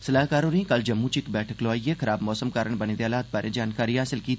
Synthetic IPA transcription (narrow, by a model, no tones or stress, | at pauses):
sɐlaːɦkaːɾoːɾĩkɐld͡ʒɐmːũt͡ʃɪkbɛːʈʰəkloaːijekʰɐɾaːbmɔːsəmkaːɾəɳ̃bɐned̪jaːlaːt̪̚baːɾẽd͡ʒaːnkaːɾiɦaːsɪlkiːt̪ʰː